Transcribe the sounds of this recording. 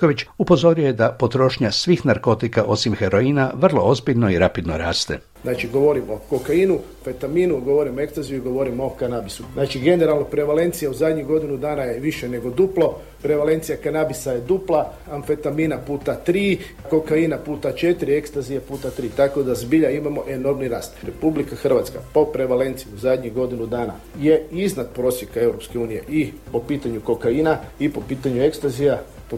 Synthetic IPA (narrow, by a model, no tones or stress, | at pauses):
koʋit͡ʃupo̞zo̞ɾujjed̪apo̞t̪ɾo̞ːʃɲasʋixnaɾko̞t̪ikaʔo̞simxeɾo̞iːnaʋr̩lˠo̞ozbiʎno̞iɾapid̪no̰ɾa̰ːst̪e̞̰ | znat͡ʃiɡo̞ʋo̞ɾimo̞kokaiːnu | fet̪aminuɡoʋoɾimoe̞kst̪azijuiɡo̞ʋo̞ɾimokanabisuznaːt͡ʃiɡe̞neɾalˠno̞pɾe̞ʋale̞nt̪sijauzad̪ɲiɡo̞d̪inud̪aːnajeʋiʃene̞ɡo̞d̪uplˠo̞ | pɾe̞ʋale̞nt̪sijakanabisajed̪uplˠa | anfe̞t̪aminapuːt̪at̪ɾiː | ko̞kainapuːt̪at͡ʃet̪iɾie̞kst̪azijepuːt̪at̪ɾiːt̪ako̞d̪azbiʎaimamo̞ʔe̞no̞ɾmniɾa̰ːst̪ɾe̞publikaxr̩ʋat̪ska̰po̞pɾe̞ʋale̞nt̪sijuzad̪ɲiɣɡo̞d̪inud̪aːna̰ | jeiznat̪̚pɾosjekae̞wɾopske̞uːnije̞̰ʔipo̞piːt̪aɲuko̞kainaipo̞piːt̪aɲuekst̪azija | po